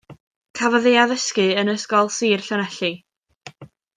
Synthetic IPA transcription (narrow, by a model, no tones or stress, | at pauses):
kʰavɔðeaðəskɨənəskɔlˠsiːrɬɔnɛɬɨ